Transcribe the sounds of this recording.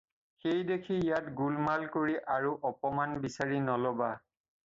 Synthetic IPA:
xejdekʰijatɡulmalkoɹiʔaɹuʔɔpɔmanbisaɹinɔlɔba

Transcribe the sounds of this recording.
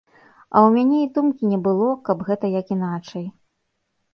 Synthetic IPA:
ɐ̰wmʲanʲeid̪umkʲinʲɛbɨlˠɔkɐbɣɛt̪ɐjɐkin̪at͡ʂɐj

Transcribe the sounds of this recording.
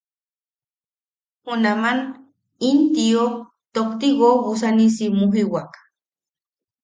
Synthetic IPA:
hunaman | int̪io | t̪okt̪iɣoos̬anisimuɦiwak

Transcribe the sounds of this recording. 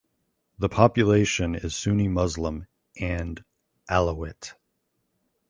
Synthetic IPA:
ðəpʰɑpjɨleɪʃɨ̃nɪz̥sʉnimʌzlə̃m | ʔɨ̃n | ʔælˠəɪt

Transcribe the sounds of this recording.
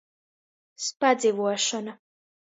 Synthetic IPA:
spad̪zivuɔʃɔna

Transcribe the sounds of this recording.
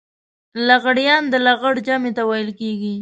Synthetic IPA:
laɣaɽjɑnd̪əlaɣaɽd͡ʒamet̪awajɪlkeɡi

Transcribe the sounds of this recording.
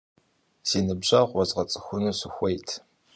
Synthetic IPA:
z̥iːnɨbʑɐʁʷɔzʁɐt͡sʼɨ̥xʷʊnɨsɨxʷejtʰ

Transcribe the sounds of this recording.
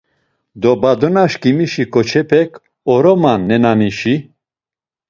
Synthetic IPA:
d̪ɔbad̪ɔnaʃkimiʃikʰʼɔt͡ʃʰɛpʰɛkʰ | ɔɾɔmanːɛnaniʃi

